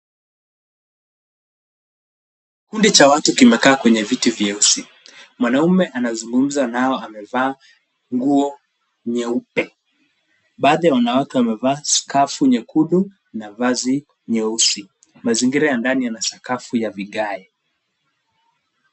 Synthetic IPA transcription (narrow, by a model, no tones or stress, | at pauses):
kundit͡ʃawatukimɛkaːkwɛɲɛvitivjɛusi | mwanaumɛʔanazuŋɡum̩zanaɔamɛvaː | ŋɡuɔ | ɲɛupɛ | ɓaːðijawanawatuamɛvaːskafuɲɛkuɗu | navazi | ɲɛusi | maziŋɡiɾajandanijanasakafujaviɠaɛ